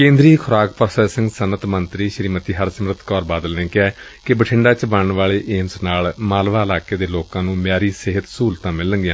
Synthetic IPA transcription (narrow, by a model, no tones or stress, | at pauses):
kẽːnd̪ɾiːkʰʊɾaːkpəɾsɛːsə̃ŋɡsənət̪mənt̪ɾiːʃəɾiːmət̪iːɦəɾsəmɾət̪kɔːɾbaːd̪əlnẽːkɛː | kɪbəʈʰɪ̃ɳɖaːt͡ʃəbənɳʋaːɭeːʔeːmsnaːlmaːlʋaːɪlaːkeːd̪eːloːkãːnũːmjaːɾiːsɪɦət̪suːlt̪ãːmɪlːəɡɪãː